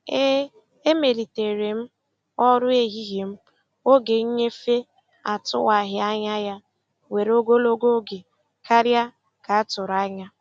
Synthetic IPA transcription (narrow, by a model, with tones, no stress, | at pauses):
e˦ | e˦me˨ɾi˨te˨ɾe˨m̩˦ | ɔ˦ɾʊ˦e˨ɦi˦ɦi˨m̩˦ | o˦ɡe˨˦ɲe˦fe˦ | a˨tʊ̰˦wa˨ɦɪ˨a˦ɲa˦ja˦ | we˨ɾo˦ɡo˦lo˦ɡo˦ɡe˨ | ka˦ɾja˦ | ka˨a˦tʊ˨ɾa˦ɲa˦